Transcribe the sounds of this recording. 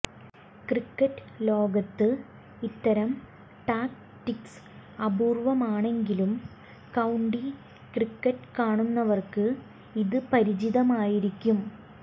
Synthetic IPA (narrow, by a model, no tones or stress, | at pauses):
krikːɐʈːɨlo̞ːɡɐt̪ːɨ | it̪ːɐɾɐm | ʈaːk | ʈiks | ɐbuːrʋɐmaːɳe̞ŋɡilum | kɐwuɳɖi | krikːɐʈːkaːɳunːɐʋɐrkɨ | iðɨpɐɾid͡ʑiðɐmaːjiɾikʲːum